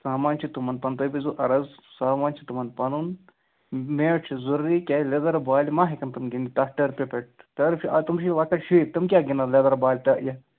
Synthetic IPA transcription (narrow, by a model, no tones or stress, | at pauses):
saːmaːnt͡ʃʰit̪umɐnpɐnt̪obizuʔɐɾɐzsaːmaːnt͡ʃʰit̪umɐnpɐnun | meːt͡ʃʰzuɾːikʲaled̪ɐɾbaːlimaːɦikɐnt̪umɡind̪it̪ɐhʈɐɾpepeʈ̚t̪ɐɾfiʔɐt̪umʃʰilɐkɐʈʃit̪ɐmkʲaːɡinɐled̪ɐɾbaːlʲt̪ɐʔjɐ